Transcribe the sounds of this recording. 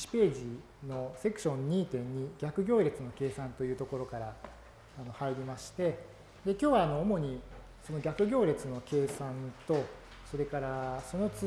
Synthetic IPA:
t͡ɕi̥pe̞ːʑi | no̞se̞kɯ̟̥ɕõ̞ɲ̟ːiːt̪ẽ̞ɲ̟ːiɡʲakɯ̟ɡʲo̞ːɾʲe̞t͡sɨno̞ke̞ːsãnt̪o̞jɯ̟ːt̪o̞ko̞ɾo̞kaɾaː | no̞haiɾʲimaɕi̥t̪e̞ | d̪e̞kʲo̞ːβaːno̞ːmo̞ɲ̟i | so̞no̞ɡʲakɯ̟ɡʲo̞ːɾe̞t͡sɨno̞ke̞ːsãnt̪o̞ | so̞ɾe̞kaɾaso̞no̞t͡s

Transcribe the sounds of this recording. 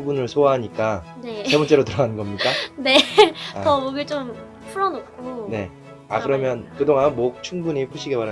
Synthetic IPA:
ubunɯɭsʰoaɦaɲik͈ane̞ebunt͡ɕ͈eɾotɯɾʌɡanɯnɡʌmɲik͈ane̞aʌoɡit͡ɕ͈om | pʰuɾʌnok͈ʰone̞ | a̰kɯɾʌmjʌnkɯdoŋanmok̚t͡ɕʰuŋbuɲip͈ʰuɕʰiɡe̞paɾa

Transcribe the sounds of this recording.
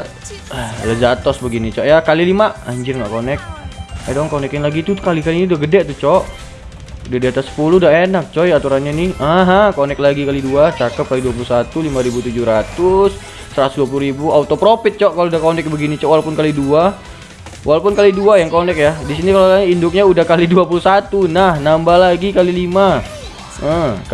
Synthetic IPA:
ələd͡ʒat̪ɔsbəɡinit͡ʃɔʔjakalilimaʔaɲd͡ʒɪrŋɡa̰ʔkonɛk̚adɔŋkonɛkɪnlaɡit̪ukalikalinudaɡədɛʔt̪ut͡ʃɔʔ | diadiat̪asə̥puludaenak̚t͡ʃɔjat̪uɾanɲanɪaɦakonɛklaɡikaliduat͡ʃakəp̚kaliduwap̬ulusat̪ulimaɾibut̪ud͡ʒuɾat̪ʊs | səɾat̪ʊ̥usduap̬uluɾibuaut̪opɾopɪt̪̚t͡ʃɔʔkaloudahkonɛk̚bəɡinit͡ʃɔʔwalaupʊnkalidua | walaupʊnkaliduajaŋkonɛkjadisinikaloaindʊk̚ɲaudahkaliduapuluhsat̪unahnambalaɡikalilima | ə

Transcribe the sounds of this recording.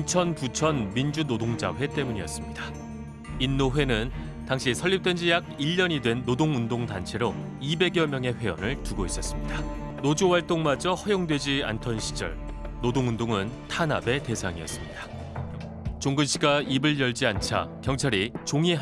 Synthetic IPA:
t͡ɕʰʌnkut͡ɕʰʌnmind͡ʑunodoŋd͡ʑa̰ɸwe̞t͈e̞muɲijʌs͈ɯmɲida | inːoɸwe̞nɯn | taŋɕʰisʰʌʎːip̚t͈we̞nd͡ʑijaɡ̚iʎːʌɲidwe̞nːodoŋundoŋtant͡ɕʰe̞ɾo | ibe̞ɡjʌmjʌŋe̞ɸwe̞ʌnɯɭtuɡois͈ʌs͈ɯmɲida | nod͡ʑowaɭt͈oŋmad͡ʑʌhʌjoŋdwe̞d͡ʑia̰ntʰʌnɕʰi̥d͡ʑʌ̰ɭnodoŋundoŋɯntʰana̰be̞te̞sʰaŋijʌs͈ɯmɲida | t͡ɕoŋɡɯnɕʰiɡaibɯɭjʌɭd͡ʑiant͡ɕʰa̰kjʌŋt͡ɕʰaɾit͡ɕoŋi

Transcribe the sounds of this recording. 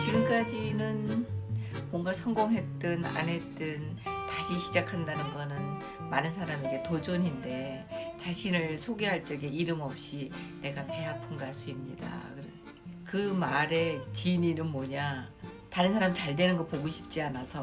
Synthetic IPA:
t͡ɕiɡɯmk͈ad͡ʑinɯn | mʌŋɡasʰʌŋɡoŋɦe̞t͈ɯna̰ne̞t͈ɯntaɕʰiɕʰid͡ʑakʰandanɯnɡʌnɯn | manɯnsʰaɾame̞ɡe̞tod͡ʑoɲinde̞t͡ɕaɕʰinɯɭsʰoɡeɦaɭt͡ɕ͈ʌɡeiɾɯmʌp̚ɕ͈ine̞ɡape̞ɦapʰɯnɡas͈uimɲida̰kɯɾʌn | kɯmaɾe̞t͡ɕiɲinɯnmʌɲa | taɾɯnsʰaɾamit͡ɕaɭdwe̞nɯnɡʌpoɡoɕʰi̥p̚t͡ɕ͈ianasʰʌ

